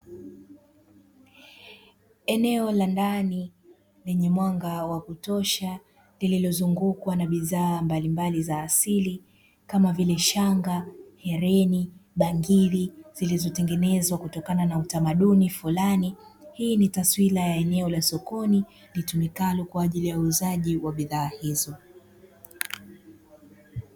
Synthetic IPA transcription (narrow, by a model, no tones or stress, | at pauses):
ɛnɛɔlandani | lɛɲɛmwaŋɡawakutɔʃa | lililɔzuŋɡukwanaɓiðaːmbalimbalizaːsili | kamavilɛʃaŋɡahɛɾɛniɓaŋɡiɾiz̥ilizɔtɛŋɡɛnɛzwakutɔkananautamaɗunifulanihiːnitaswilajaɛnɛɔlasɔkɔni | litumikalukwaːʄilijauːzaʄiwaɓiðaːhizɔ